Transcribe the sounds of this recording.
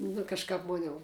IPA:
nʊ kɐʃˈkɑːp ˈmoːnʲ jɛʊ

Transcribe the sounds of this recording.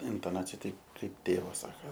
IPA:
ɪntoːˈnɑːt͡sʲɪjɛ ˈtʲɛɪp ˈkɐɪp ˈtʲeːʋɐs ˈsɑːkɐ

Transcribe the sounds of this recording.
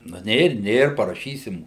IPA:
nʊ ˈnʲeːr ˈnʲeːr pɐrɐˈʃʲiːsʲɪm

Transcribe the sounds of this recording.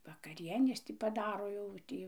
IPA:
ʋɐkɐˈrʲiɛnʲeːs tʲɪ pɐˈdɑːroː jɛʊ ˈtʲiː

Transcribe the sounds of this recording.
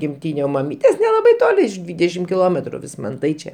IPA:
ɡʲɪmʲˈtʲiːnʲɛ oː mɐˈmʲiːtʲeːs nʲɛlˠɐˈbɐɪ ˈtoːlʲɪ ɪʃ ˈdʲʋʲiːdʲɛʃʲɪm kʲɪˈlˠoːmʲɛtrʊ ʋʲɪsmɐnˈtɐɪ t͡ʃʲɛ

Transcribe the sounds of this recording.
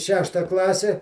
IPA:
ˈʃʲæːʃtɐ ˈklˠɑːsʲɛ

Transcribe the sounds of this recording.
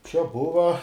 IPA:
t͡ʃʲɛ ˈbʊʋɐ

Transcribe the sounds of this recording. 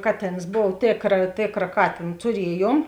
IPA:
ˈkɑːˌtʲeːns ˈboːw ˈtʲeːkrɐ ˈtʲeːkrɐ ˈkɑːtʲeːn tʊˈrʲiɛˌjuɔm

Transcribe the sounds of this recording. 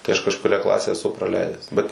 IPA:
tɐɪ ɐʃ kɐʃkʊˈrʲæː ˈklˠɑːsʲæː ɛˈsʊ prɐˈlʲɛɪdʲæːs bʲɛt

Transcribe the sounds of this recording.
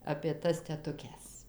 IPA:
ɐpʲeː ˈtɐs tʲɛtʊˈkʲɛs

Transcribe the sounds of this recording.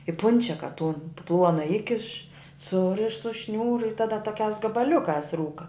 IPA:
ɪ ˈpʊnʲt͡ʃʲɛkɐ tʊn ˈplˠuɔnɐ ˈɪkʲɪʃ ˈsʊrʲɪʃ sʊ ˈʃʲnʲuːrʊ ɪ ˈtɑːdɐ toːˈkʲæːs ɡɐbɐˈlʲʊkɑːs ˈruːkɐ

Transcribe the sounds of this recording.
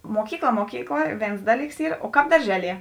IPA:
ˈmoːkʲiːkˌlˠɐ ˈmoːkʲiːkˌlˠɐ ˈʋʲeːns ˈdɑːˌlʲiːks ˈiːr oː ˈkɑːp dɐrʲˈʒʲæːˌlʲiɛ

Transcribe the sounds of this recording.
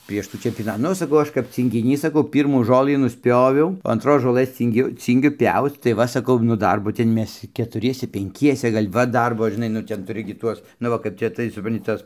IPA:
pʲrʲiɛʃ ˈtuː t͡ʃʲɛmʲpʲoːˈnɐ ˈnʊ sɐˈkɐʊ ˈɐʃ kɐp t͡sʲiːŋʲɡʲɪˈnʲiːs sɐˈkɐʊ ˈpʲiːrmuː ˈʒoːlˠɨ nʊsʲˈpʲjoːʋʲɛʊ oː ɐnˈtroːs ʒoːˈlˠɘs ˈt͡sʲiːŋʲɡʲʊ ˈt͡sʲiːŋʲɡʲʊ ˈpʲɛʊt͡s tɐɪ ˈʋɐ sɐˈkɐʊ nʊ ˈdɐrboː ˈtʲɛn ˈmʲɛs kʲɛtʊˈrʲiɛsʲɛ pʲɛŋʲˈkʲiɛsʲɛ ˈɡɐlʲ ˈʋɐ ˈdɐrboː ʒʲɪˈnɐɪ nʊ ˈtʲɛn tʊˈrʲɪ ɡʲɪ ˈtuɔs nʊ ˈʋɐ kɐɪp ˈt͡ʃʲɛ tɐɪ sʊprɐnʲˈtʲɪ ˈtɐs

